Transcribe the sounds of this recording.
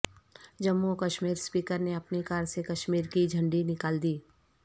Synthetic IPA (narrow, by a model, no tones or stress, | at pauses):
d͡ʒɐmːukɐʃmiːɾspiːkəɾneɐpnekaːɾsekɐʃmiːɾkid͡ʒʱɐ̃ɳɖinɪkaːld̪iː